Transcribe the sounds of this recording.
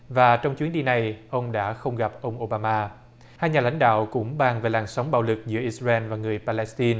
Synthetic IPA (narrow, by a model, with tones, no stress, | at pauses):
vaː˨˩t͡ɕɔ˧wŋ͡mt͡ɕwi˨˦ənɗi˧na˨˩jʔə˧wŋ͡mɗa̰ː˧˥xə˧wŋ͡mɣa˨˩p̚ʔə˧wŋ͡mʔo˧ɓaː˧maː˧ | haː˧jɲaː˨˩la̰˧˥jŋ̟ɗa̰ː˧˨wkʊ̰˧˥ŋ͡mɓaː˨˩ŋve˨˩laː˨˩nsaɔ˨˦wŋ͡mɓa̰ː˧˨wlɨ˨˩k̚zɨ̰˧˥əʔi˧sza˧ʔɛ˧nvaː˨˩ŋɨ˨˩əjpaː˧lɛ˧˥st̪i˧n